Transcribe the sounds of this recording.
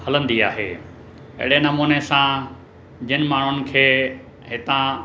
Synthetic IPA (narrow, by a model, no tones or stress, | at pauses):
hɐlə̃nd̪ia̰ːɦḛː | ɐ̰ɦɪɽenɐmuːnesã | d͡ʑɪnɪ̆maːɳ̤ʊnɪ̆kʰeː | ɦɪt̪ã